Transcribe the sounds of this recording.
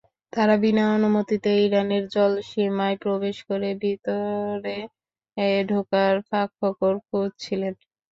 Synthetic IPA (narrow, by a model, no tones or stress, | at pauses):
t̪aɾabinaonumot̪it̪eiɾaneɾd͡ʑɔlʃimaepɾobeʃkoɾebʱit̪oɾe | ɖʱokaɾfakʰːɔkoɾkod̪̚t͡ɕʰilen